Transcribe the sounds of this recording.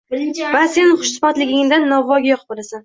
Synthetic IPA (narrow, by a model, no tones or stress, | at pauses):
vase̞nɪχʊ̥ʃsʊ̥pat̪lɪɡʲɪŋd̪anːɒvːɒɡʲajɒqbolasan